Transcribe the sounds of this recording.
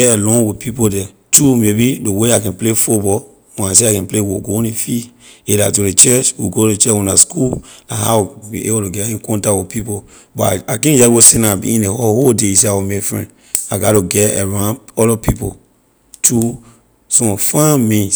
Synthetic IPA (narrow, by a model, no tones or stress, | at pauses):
ɛɛlɔ̃nwipʰipodɛ | tʰumebideweakɛ̃nplefutbɔ | wɛ̃nas̬eakɛ̃nplewoɡõnĩfielatulet͡ʃɛt͡ʃwiɡoet͡ʃɛwɔ̃naskunahabḭʔḛbotuɡɛjukɔ̃ntawipʰipo | bɔa̰akɛ̃nd͡ʒaɡosɛ̃nabḭĩnehohodeseawimekfɹɛ̰̃n | aɡatuɡɛɛ̰ɹãnɔlɔpipo̰ | tʰu | sɔ̃fãmĩns